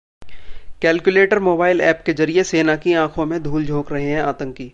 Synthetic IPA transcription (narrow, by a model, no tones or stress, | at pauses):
kɛːlkjʊleːʈəɾmoːbaːɪlɛ̰ːpkezɐɾieseːnakiãːkʰõmẽd̪ʱuːld͡ʒʱoːkɾɐɦeɦɛ̃aːt̪ə̃ŋkiː